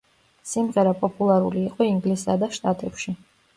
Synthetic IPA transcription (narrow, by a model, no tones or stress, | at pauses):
simʁɛɾapʼɔpʼulˠaɾṵliːqʼɔiŋɡlisad̪aʃt̪ʼat̪ʼɛpʃi